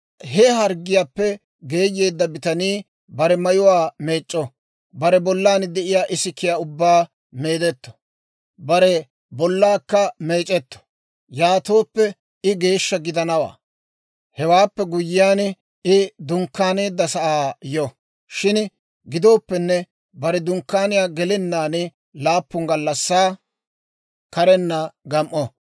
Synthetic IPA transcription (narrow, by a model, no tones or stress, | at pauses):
ɦɛɦɐɾɡɪjaːpːɛ | ɡe̞ːjːe̞ːd̪ːɐbɪt̪ɐniː | bɐɾɛmɐjʊwaːmeːt͡ʃʼːɔ | bɐɾɛbɔlːaːnd̪ɛʔɪjaːʔɪsɪkːɪjaːʊbːaː | me̞ːd̪ɛt̪ːɔ̥ | bɐɾɛ | bɔlːaːkːɐmeːt͡ʃʼɛt̪ːɔ̥ | jaːt̪o̞ːpːɛ | ɪɡe̞ːʃːɐɡɪd̪ɐnɐwa̰ː | hɛwaːpːɛɡʊjɪjaːn | ɪd̪ʊŋkːaːneːd̪ːɐsɐʔaːjɔ | ʃɪn | ɡɪd̪o̞ːpːɛnːɛ | bɐɾɛd̪ʊŋkːaːnɪjaːɡɛlɪnːaːnɪ | laːpːʊŋɡɐlːɐsːaː | kɐɾɛnːɐɡɐmʔːɔ